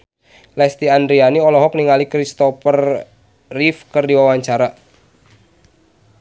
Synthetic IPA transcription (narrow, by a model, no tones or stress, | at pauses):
lɛst̪iandɾianiɔlɔɦɔk̚niŋalikɾist̪ɔfərː | ifkərdiwawaɲt͡ʃaɾa